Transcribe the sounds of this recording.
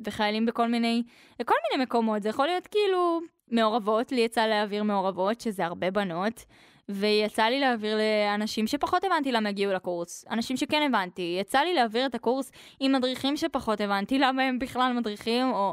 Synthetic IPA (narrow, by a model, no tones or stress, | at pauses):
ve̞χajalimbeko̞lmine̞j | ko̞lminejme̞ko̞mo̞tzejaχolijo̞tkeilu | me̞o̞ʁavo̞tlijat͡saleaviʁme̞o̞ʁavo̞tʃe̞zeaʁbe̞bano̞t | vejat͡salileaviʁleanaʃimʃe̞paχo̞tevantilamajaɡiulakuʁsa̰naʃimʃekene̞vantijat͡salileaviʁetakuʁs | imːadʁiχimʃe̞paχo̞te̞vantilamae̞mbiχlalmadʁiχimo̞